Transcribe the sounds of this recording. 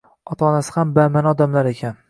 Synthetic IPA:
ɒt̪ʰaːnasɪ̥hambamanɒd̪amlaɾekʲʰan

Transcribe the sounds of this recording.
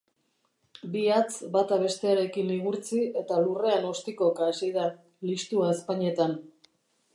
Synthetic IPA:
biat͡sbat̪aβe̞st̪e̞aɾe̞kiniɣ̞uɾt͡sie̞t̪alure̞ano̞st̪iko̞kaːsiða | list̪uaespaɲie̞t̪an

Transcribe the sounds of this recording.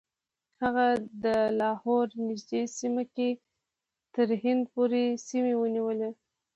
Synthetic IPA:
haɣad̪əlɑhɔɾnɪʒd̪esimake | t̪əɾhɪnd̪̚poɾesimewəniwəle

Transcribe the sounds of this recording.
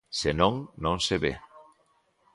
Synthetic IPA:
senõŋnõnseβḛ

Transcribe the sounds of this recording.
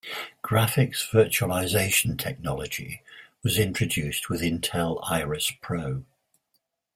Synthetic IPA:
ɡ̥ɹafɪksv̥ɜˑt͡ʃəəlaɪzeɪʃə̃ntʰɛk̚nɒləd͡ʒɪ̰wɒzɪ̃nt͡ʃɹ̥əd͡ʒʉˑst̚ʰwɪðɪ̃ntʰɛla̰ɪɹəspʰɹ̥əʊ

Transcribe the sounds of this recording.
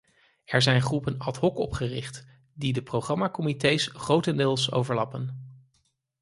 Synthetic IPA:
ɛɹzɛjnχrupənɑtɦɔkɔpχərɪχt | didəprowχɑmaːkɔmitejsχrowtəndɪːlˠso̰wvəɹlɑpən

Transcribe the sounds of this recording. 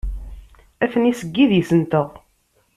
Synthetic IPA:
æθənisəɡːiðjəsənt̪əʁ

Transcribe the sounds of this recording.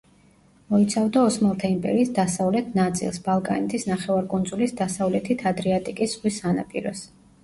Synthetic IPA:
mɔit̪sʰavd̪aɔsmalˠt̪ʰaimpʼɛ̰ɾiːsd̪asavlɛt̪ʰnat̪sʼḭlˠsbalˠkʼa̰nɛt̪ʰisnaχɛvaɾkʼund̪zulisd̪asavlɛt̪ʰit̪ʰad̪ɾiat̪ʼikʼisʁwisana̰pʼḭɾɔs

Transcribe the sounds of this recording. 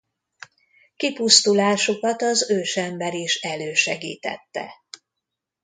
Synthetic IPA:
kipust̪ulaːʃokɒt̪ɒzøːʃɛmbɛɾiʃɛløːʃɛɡḭːt̪ɛ̰t̪ːɛ̰

